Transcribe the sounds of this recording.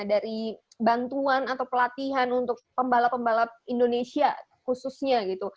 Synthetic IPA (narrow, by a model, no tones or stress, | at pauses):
daɾi | bant̪uanat̪awpəlat̪iɦanunt̪ʊk̚pəmbalapəmbalaindonesia | kususɲaɡit̪u